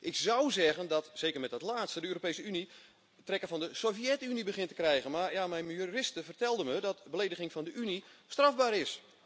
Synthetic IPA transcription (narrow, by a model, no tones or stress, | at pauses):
ʔɪksɔwzɛɣəndɔtsejkərmɛt̚dɔtlaːtstədəøːropejsəyni | tːrɛkəvfɔndəsofiɛtynibəχɪntə̥krɛjɣənmarjamɛjnmijyrɪstəvərtɛlˠdəmədɔtbəlejdəɣɪŋfɔndəʔynistravbaːɾɪs